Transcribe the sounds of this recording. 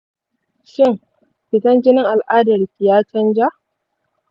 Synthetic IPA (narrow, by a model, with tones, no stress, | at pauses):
ʃɪ˦ŋ | ɸɪ˨tɐ˦nd͡ʒɪ˦nɪ˦ŋʔa˨lʔaː˦dɐ˨rkʲɪ˨jaː˦t͡ʃɐ˦nd͡ʒa˦ʔ